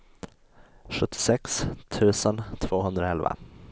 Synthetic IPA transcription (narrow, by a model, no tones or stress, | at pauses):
ɧɵt̪ʰːɪ̥sɛkst̪ʰʉ̟ːsənt̪ʰv̥oːɦɵnd̪ɾəɛlva̰